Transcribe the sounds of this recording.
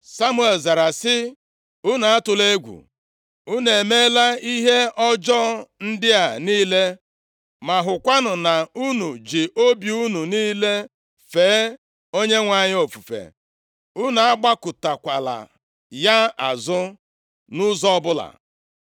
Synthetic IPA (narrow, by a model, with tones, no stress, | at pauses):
sa˦mu˦e˨lza˨ɾa˨sɪ˦ | u˦na˨a˦tʊ˨le˦ɡʷṵ˨ | u˦ne˨me˦la˦i˦ɦe˦ɔ˦d͡ʒɔ˦n̩˦dɪ˦a˨niː˦le˦ | ma˨ɦʊ˨kʷa˦nʊ˨na˨u˦nu˨d͡ʒi˨ʔo˦bju˦nu˨niː˦le˦ | feː˨˦ | o˦ɲe˦ŋʷa˨ɲɪ˦o˨fu˨fḛ˨ | u˦na˨a˦ɡ͡ba˦kʊ˨ta˨kʷa˨la̰˨ | ja˦a̰˨zʊ˦ | nʊ˦zɔ˦ɔ˦bʊ˦la̰˨